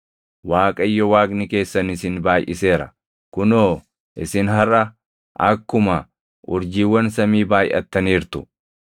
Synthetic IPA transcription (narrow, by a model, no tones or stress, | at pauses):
waːkʼɐɪjːɔwaːkʼnɪke̞ːsːɐnɪsɪnbaːjʔɪ̰se̞ːɾɐ | kʊnoː | ʔɪsɪnɦɐrːɐ | ʔɐkːʊmɐ | ʔʊɾd͡ʒiːwːɐnsɐmiːbaːjʔɐ̰t̪ːɐniːɾt̪ʊ̥